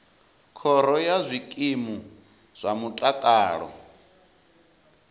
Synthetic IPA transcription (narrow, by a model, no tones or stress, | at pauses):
kʰɔɾɔjazʷikʼimu | z̥ʷamutʼatʼaːɺɔ̰